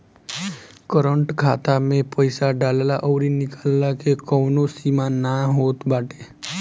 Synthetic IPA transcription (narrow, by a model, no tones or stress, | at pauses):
kəɾəɳʈkʰat̪amẽpəjsaɖalelaʔəʋɾinikalːakekəwnosimanaɦot̪baʈe